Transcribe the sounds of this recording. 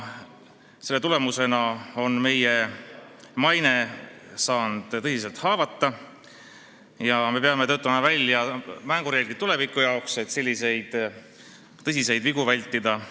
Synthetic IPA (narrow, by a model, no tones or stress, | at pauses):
se̞lːe̞t̪ule̞muse̞nɑo̞nme̞je̞ | mɑjne̞sɑːnd̪̥t̪ɤsis̬e̞lt̪hɑːvɑt̪ːɑ | jɑme̞peɑmeøːt̪ːˑɑmɑvælʲːjɑmæŋɡ̥uɾeːɡlit̪ule̞vikːˑujɑokset̪se̞lʲːise̞jd̪̥ | t̪ɤsise̞jd̪̥viɡ̥uvælʲt̪ːˑid̪̥ɑ